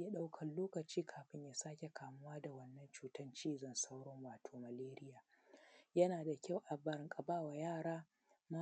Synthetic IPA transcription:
ja˦ɗa˦wkʰɐ˨nloː˦kɐ˨t͡ʃiː˦kʰaː˨ɸɪ˦ɲjaː˨saː˦kʲe˨kaː˨mʊ˦waː˦da˨wɐ˦nːɐ˦nt͡ʃuː˦tɐ˦nt͡ʃiː˦zɐ˨nsa˦wɽɔ˦ŋwaː˨tʰoː˨ma˨leː˦ɾɪ˦jaː˨ | jɐ˦naː˨da˨kʲa˦˨wʔa˨bɐ˦ɾɪ˨˦ŋkʼɐ˨baː˦wa˨jaː˦˨ɽaː˦ | ma˦

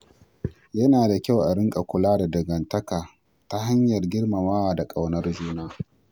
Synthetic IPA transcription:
jɐ˦naː˨da˨kʲa˦wʔa˨ɾɪ˦ŋkʼa˨kʷʊ˨laː˦da˨dɐ˨ɡɐ˨ntɐ˦kaː˨ | ta˦ɦa˦ɲjɐ˨rɡʲɪ˦ɽma˨maː˦waː˨da˨kʼa˨wnɐ˦rd͡ʒuː˦naː˦

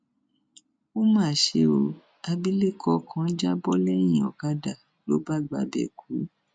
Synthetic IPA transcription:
o˦mãː˦˨ʃe˧o˧ | a˧bi˦le˦˨kʰɔ˧˦˨kʰã˧˦d͡ʒa˦bɔ˦lɛ˦j̃ĩ˨ɔ̰˨ɡa˦da˨ | lo˦ba˦˨ɡ͡ba̰˨˦bɛ̰˨kʰu˨˦

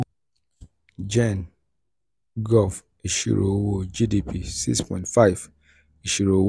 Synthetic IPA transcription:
d͡ʒɛ̃n | ɡɔf | e˨ʃḭ˦ɹo̰˨wo˦d͡ʒi˦di˨pʰi˨sḭ˦spɔ̰̃˨ɪ̃ntfa˦ɪv | e˨ʃi˦ɾo˨w

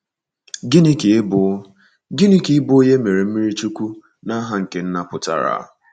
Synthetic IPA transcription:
ɡi˦ni˦ke˨˦bʊ˨˦ | ɡi˦ni˦ki˨˦bʊ˦je˦me˨ɾe˨m̩˦mi˦ɾi˦t͡ʃu˦kʷu˦ | na˦ɦa˦ŋ̩˨ke˨n̩˦na˦pʊ˨ta̰˨ɾa̰˨˦˨

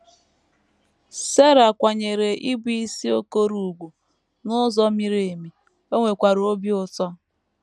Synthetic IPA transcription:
se˦ɾa˨kʷa˨ɲe˨ɾe˨ʔi˦bi˦si˦o˦ko˦ɾu˨ɡʷu˨ | nʊ˦zɔ˦mi˦ɾe˨e˨mi˨ | o˦ŋʷe˨kʷa˨ɾo˦bjʊ˦tɔ˦

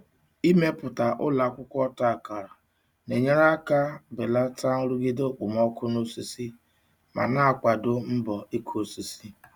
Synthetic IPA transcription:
i˦me˦pʊ˨ta˨ʔʊ̰˦la˨kʷʊ˦kʷɔ˦ta˦˨ka˨ɾa˨ | ne˨ɲe˦ɾa˦ka˦be˨la˦ta˦n̩˦ɾu˦ɡɪ˦do˦k͡pʊ˨mɔ˦kʰʊ˦no˦si˦si˦ | ma̰˨na˦a˨kʷa˨dʊ˦m̩˦bɔ˨i˦kʰo˦si˦si˦

